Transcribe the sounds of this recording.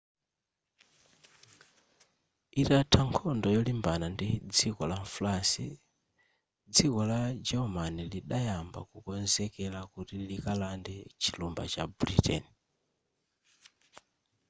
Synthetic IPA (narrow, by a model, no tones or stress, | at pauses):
itatʰaŋkʰɔndɔjɔlimbanandid͡zikɔlafulasḭ | d͡zikɔlad͡ʒɛɔmaniliɗajamba̰kukɔnzɛkɛlakutilikalandɛt͡ʃʰilumba̰t͡ʃabɾḭtɛ̰ni